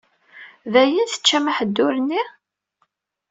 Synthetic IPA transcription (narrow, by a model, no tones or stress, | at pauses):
ðæjinθə̥t͡ʃːæmaħəd̪ːʊɾənːi